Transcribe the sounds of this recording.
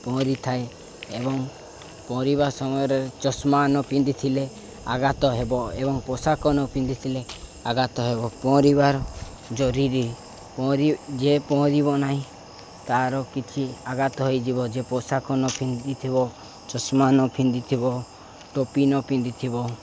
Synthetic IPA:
pɔ̃ɾit̪ʰae | ebɔŋ | pɔ̃ɾibaɾsɔmɔjɔɾeɾt͡ʃɔsmanɔpĩnd̪it̪ʰile | aɡat̪ɔɦebɔebɔŋpɔsakɔnɔpind̪it̪ʰileaɡat̪ɔɦebɔpɔ̃ɾibaɾɔ | d͡ʒɔɾiɾi | pɔɾid͡ʒepɔɔ̃ɾiβɔnaɦĩ | t̪aɾɔkit͡ʃʰiaɡat̪ɔɦojd͡ʒibɔd͡ʒepɔsakɔnɔpʰĩnd̪it̪ʰibɔ | t͡ʃɔsmanɔpʰind̪it̪ʰibɔ | ʈopinɔpĩnd̪it̪ʰibɔ

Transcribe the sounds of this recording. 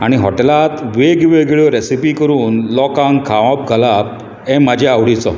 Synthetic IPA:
aɽ̃iɦɔʈelat̪ʋeɡʋeɡeɭjɔɾesipikəɾuːnlɔkãŋɡkʰaʋãp̚ɡʱalap̚ | ɛ̃mad͡ʑʱeaʋɽit͡sɔ

